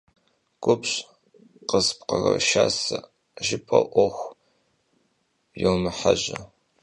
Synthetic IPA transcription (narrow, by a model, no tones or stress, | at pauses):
ɡ̥ʷʊpɕʼ | qəsp̚ʰqɐrɐʃaːsɐ | ʒɪpʰɐʔʷɔxʷ | jɛwmɨħaʑɐ